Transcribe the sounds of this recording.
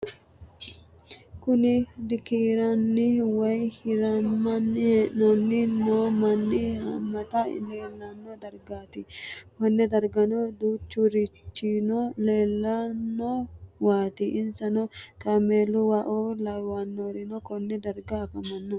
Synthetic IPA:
kʊnɪd̪ɪkiːɾɐnːɪwɐjhɪɾɐmɐnːnɐnːɪnomɐnːɪhɐ̰mːɐt̪ɐ̰neːlːɐnːɔd̪ɐɾɡaːt̪ɪhɔnːɛd̪ɐɾɡɐnɔd̪uːt͡ʃːʊɾɪt͡ʃːinɔleːlːɐnːɔwaːt̪ɪʔɪnsɐnɔkɐmeːlʊwɐʔoːlɐwanːoːɾɪnɔkɔnːɛd̪ɐɾɡɐːfɐmɐnːɔ

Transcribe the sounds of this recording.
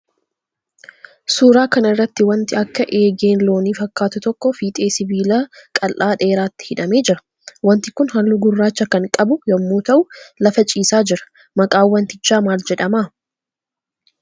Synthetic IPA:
suːɾaːkɐnɪrːɐt̪ːɪwɐnt̪ɪɐkːɐʔe̞ːɡeːnlo̞ːniːfɐkːaːt̪ʊt̪ɔkːɔfiːt̪ʼe̞ːsɪbiːlakʼɐlʔaːᶑe̞ːɾaːt̪ːɪ̥hɪᶑɐme̞ːd͡ʒɪɾɐ̥ | wɐnt̪ɪkʊnhɐlːʊɡʊrːaːt͡ʃːɐkɐŋkʼɐbʊjɐmːuːt̪ɐʔʊlɐfɐt͡ʃʼiːsaːd͡ʒɪɾɐ̥ | mɐkʼaːwːɐnt̪ɪt͡ʃːaːmaːld͡ʒɛᶑɐmaː

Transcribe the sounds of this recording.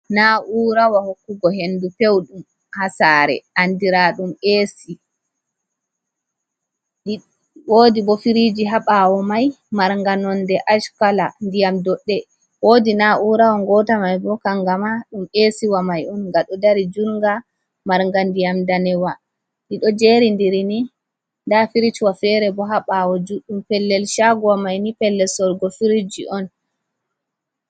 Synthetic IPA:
naʔuɾawahokːuɡɔɦenːdupewɗum | hasaːɾɛ̰andiɾaɗumeːsi | ɗ | woːdibɔfiɾid͡ʒiɦaɓawɔmaj | maɾŋɡanɔndɛʔaʃkalandijamdɔɗːɛ | wodinaʔuɾawaŋɡɔtamajbɔkaŋɡamaɗumʔesiwamajɔnŋɡaɗɔdaɾid͡ʒuɾŋɡa | maɾŋɡandijamdanɛwa | niɗɔd͡ʒeɾindiɾini | ndafiɾit͡ʃwafɛɾɛbɔɦaɓawɔd͡ʒuɗːumpɛlːɛlʃaɡɔwamajnipɛlːɛlsɔɾɡɔfiɾid͡ʒḭʔɔn

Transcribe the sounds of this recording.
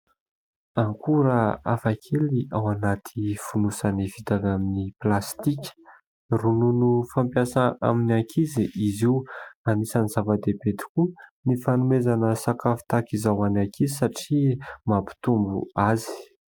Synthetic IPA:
aŋkuɾəafakʰeliʔawanat̪ʰifunusanivit̪anaminiplast̪ikʲə̥ | rununufampjasaa̰minakʰiziʔiziwanisaniz̥avəd̪ebet̪i̥kunifanumezanəsakafu̥t̪akizawanakʰizisaʈ͡ʂimapi̥t̪umbṵazi̥

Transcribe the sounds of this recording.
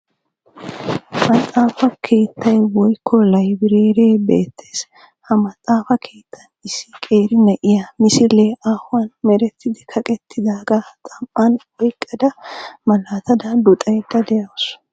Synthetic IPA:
mɐt͡sʼːaːfɐkʰe̞ːt̪ːɐjwɔjkʰːɔlɐjbɪɾeːɾeːbeːt̪ʰːe̞ːs | hɐmɐt͡sʼːaːfɐkʰe̞ːt̪ʰːɐnɪsːɪkʼe̞ːɾɪnɐʔɪjamɪsɪleaːhʊwɐnmɛɾɛt̪ʰːɪd̪ɪkʰɐkʼɛt̪ʰːɪd̪aːɡat̪ʼɐmpːɐnwɔjkʼːɐd̪ɐmɐlaːt̪ɐd̪ɐd̪ʊt̪ʼɐjd̪ɐd̪ɛjɐwʊs

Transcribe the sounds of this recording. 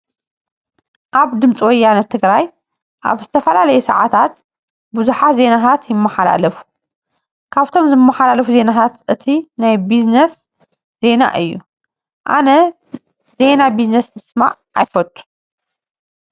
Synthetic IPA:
ʔaβd̪ɨmt͡sʼiwɔjːanɐt̪ʰːɨɡɾaj | ʔa̰βzɨt̪ʰɐfɐlalɐjusɐ̰ʕat̪ʰat̪ | buzuħat̪ze̞nat̪ʰat̪jɪmːɐħala̰lɐfu̥ | kʰaβt̪ʰo̞mzɨmːɐħalalɐfuze̞nat̪ʰat̪ʔɨt̪ʰinajbiznɐs | z̥e̞na̰ʔɨjːṵ | ʔa̰nɐ | ze̞nabiznɐsmɨsma̰ʕʔajfɐt̪ʼːu̥

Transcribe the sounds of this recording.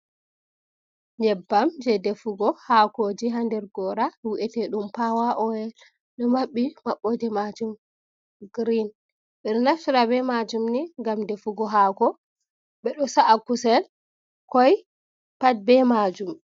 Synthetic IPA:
ɲɛbːamd͡ʒɛdɛfuɡɔhakod͡ʒiɦandɛɾɡɔɾawiʔɛtɛɗumpawaʔɔjɛ | ɗɔmaɓːimaɓːɔdɛmad͡ʒum | ɡɾin | ɓɛɗɔnafiɾabɛmad͡ʒumniŋɡamdɛfuɡɔɦakɔ | ɓɛɗɔsaʔakusɛl | kɔj | pad̚bɛmad͡ʒum

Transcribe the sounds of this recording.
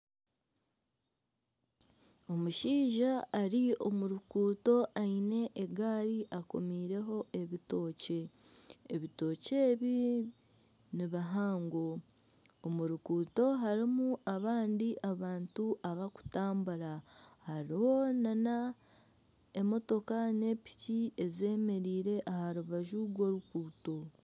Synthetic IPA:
o̞muʃiːʒaːɾio̞̰muɾukuːto̞ʔaine̞ʔeɡaːɾiʔako̞̰miːɾe̞ɦo̞e̞βito̞ːce̞ː | βito̞ːce̞ːβi | niβaɦaːŋɡo | omuɾukuːto̞ɦaɾimuʔaβaːndiʔaβaːntuaβaku̥taːmbuɾahaɾiwo̞nana | emo̞to̞kane̞ːpi̥cie̞ze̞ːme̞ɾiːɾe̞ʔahaɾuβaʒuɾwo̞ːɾukuːto̞

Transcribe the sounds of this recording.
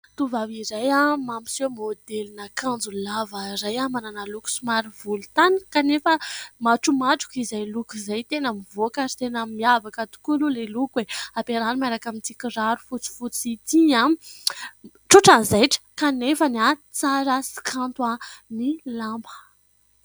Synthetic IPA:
t̪uvavizajamampi̥somod̪elinakand͡zullavəɾajamananaluku̥sumaɾivulut̪anikanefəmaʈ͡ʂumaʈ͡ʂu̥kizajlukuzajt̪enamivokaɾi̥t̪enəmiavakat̪u̥kululelukweapeɾanimaɾakamint͡sikiraɾufut͡si̥fut͡sit̪iã | ʈ͡ʂuʈ͡ʂanzajʈ͡ʂə̥kanefanat͡saɾəsi̥kʰant̪wanilambə̥

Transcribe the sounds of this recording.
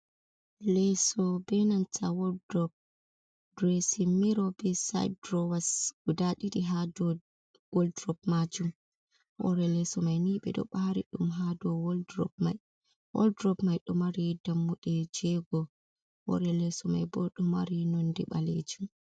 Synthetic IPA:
lɛsɔbɛnantʰawɔdɔp̚ | dɾesimːiɾɔbɛsa̰jdɾɔwasɡ̥udaɗiɗiɦadɔ | wɔldɾɔp̚mad͡ʒum | ʔɔ̰ɾɛlɛsɔmajniɓɛ̰ɗɔ̰ɓaɾḭɗumɦadɔwɔldɾɔ̰pma̰j | wɔ̰ldɾɔpmajɗɔmaɾidamːuɗɛd͡ʒɛɡɔ | wɔ̰ɾɛlɛsɔma̰jbɔɗɔma̰ɾinɔndɛɓa̰lḛd͡ʒum

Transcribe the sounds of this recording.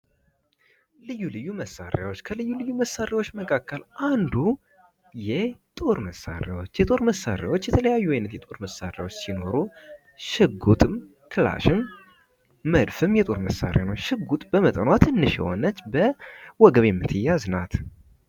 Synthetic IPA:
lɨjːulɨjːuməsa̰ɾjawot͡ʃːkʰəlɨjːulɨjːuməsːaɾjawot͡ʃːməkʰakːəlʔand̪u | jɛt̪ʼo̞ɾməsa̰ɾawo̞t͡ʃːjɛt̪ʼo̞ɾməsːa̰ɾja̰wo̞t͡ʃːjɛt̪ʰələjajːuajnət̪jɛt̪ʼo̞ɾməsːa̰ɾja̰wo̞t͡ʃːsino̞ɾu | ʃɨɡut̪ʼɨm | kʰɨla̰ʃɪmː | əd̪fɨmjɛt̪ʼo̞ɾməsːa̰ɾja̰nowʃɨɡut̪ʼbəmət̪ʼənwat̪ɨnːɨʃɛ̰ho̰nət͡ʃːbəwɔɡəβemːɨt̪ʰɨjːaznat̪

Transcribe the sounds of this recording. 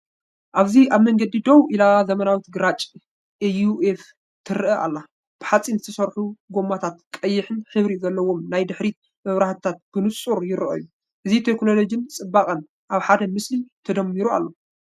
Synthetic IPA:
ʔaβziʔaβmɐŋɡɐd̪id̪owʔilazɐmɐnawit̪ɡɨɾat͡ʃʼ | ʔejuef | t̪ʰɨɾʔɐʔa̰lːa | b̥ɨħat͡sʼinzɨt̪ʰɐsɐɾħuɡo̞mːat̪ʰat̪kʼɐjːɪħɨnħɨβɾizɐlːɐwo̞mnajd̪ɨħɾi | mɐβɾaħt̪ʰat̪̚b̥ɨnɨsʼuɾjɪɾɨʔɐ̰jːu | ʔɨzit̪ʰekno̞lo̞d͡ʒint͡sʼɨbːakʼɐn | ʔaβħad̪ɐmɨslit̪ʰɐd̪ɐmːiɾua̰lːo̞

